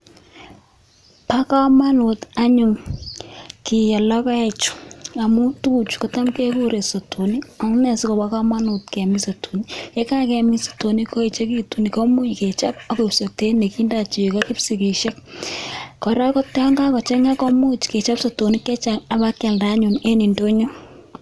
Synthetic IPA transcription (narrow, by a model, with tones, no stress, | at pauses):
pa˦ka˦ma˦nʊ˨ta˦ɲʊ˨ŋ | ki˨jɛ˨lɔ˦ka˦ɛ˨t͡ʃʊ̥˨a˨mu˦tu˦t͡ʃkɔ˨ta˦mke˦ku˦ɾe˨so˨to˨ni˦ɔ˨˦ŋ˦nɛ˨si˦kɔ˨pa˦ka˦ma˦nʊ˨tkɛ˨mi˦so˨tʰo˨ni˦je˦ka˦kɛ˨mi˦so̥˨to˨ni˦ko˦e˨t͡ʃe˦ki˦tu˨ni˨kɔ˦mu˦t͡ʃke˨t͡ʃa˦p̚a˦ke˨pso˨k̚te˦ne˨ki˦nda˨t͡ʃi˨ka˦kɪ˦psi˨ki˨ʃe˦k̚ | kɔ˨ɾa˦kɔ˦tɛ˦ɔ˦ŋɡa˦kɔ˨t͡ʃɛ˦ŋa˦kɔ˦mu˦t͡ʃke˨t͡ʃa˦pso˨to˨ni˦kɛ˦t͡ʃa˨ŋa˨ba˦kːɛ˨lda˦ɲʊ˨ne˦ni˨ndo˦ɲo˦